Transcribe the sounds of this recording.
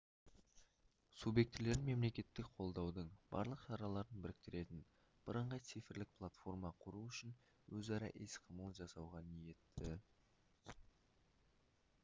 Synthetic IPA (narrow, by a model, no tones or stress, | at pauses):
subje̞k̚t̪ɪle̞ɾɪnme̞mle̞kʲe̞t̪ːɪkqʰo̞lˠd̪ɑwd̪əɴb̥ɑ̰ɾlˠəqʃɑɾɑlˠɑɾənbɪɾɪk̚t̪ɪɾe̞t̪ɪn | b̥əɾəɴʁɑjt̪sijfɪɾlɪk̚pʰlˠat̪fo̞rmɑqʰʊɾuʏʃɪn | wɵzɑɾɑ̰ʔesqʰəməlˠəʒɑsɑwʁɑnije̞t̪ːɪ